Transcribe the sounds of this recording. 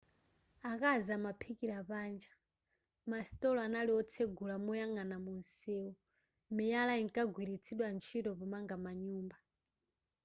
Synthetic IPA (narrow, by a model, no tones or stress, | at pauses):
akazamapʰikiɾapaːnd͡ʒḁ | masi̥tʼɔlɔanaliɔt͡sʰeɡulamujaŋanamun̩sɛːwɔ | mijalaiŋkʼaɡwiɾit͡sʰiɗwant͡ʃʰitɔpɔmaŋɡamaɲuːmba